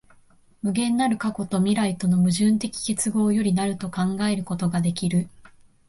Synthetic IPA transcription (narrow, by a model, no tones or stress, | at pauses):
mɯ̟ɡẽ̞nːaɾɯ̟kako̞t̪o̞mʲiɾait̪o̞no̞mɯ̟ʑɨ̃nt̪e̞kʲi̥kʲet͡sɨɡo̞ːjo̞ɾʲinaɾɯ̟t̪o̞kãŋɡae̞ɾɯ̟ko̞t̪o̞ɡad̪e̞kʲiɾɯ̟